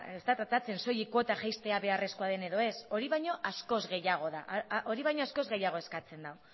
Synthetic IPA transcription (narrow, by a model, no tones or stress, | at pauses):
e̞st̪at̪ɾat̪at͡se̞nso̞jiko̞t̪aʝajst̪e̞aβe̞are̞sko̞aðe̞ne̞ðo̞e̞so̞ɾiβajɲo̞ʔasko̞zɣe̞jaɣ̞o̞ða̰ʔʔoɾiβajɲo̞asko̞zɣe̞jaɣ̞o̞e̞skat͡se̞nd̪aw